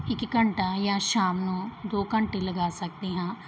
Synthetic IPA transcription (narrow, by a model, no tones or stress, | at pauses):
ɪkːəɳʈãːjãːʃaːmnũːd̪oːkəɳʈeːləɡaːsək̚d̪iːɦãː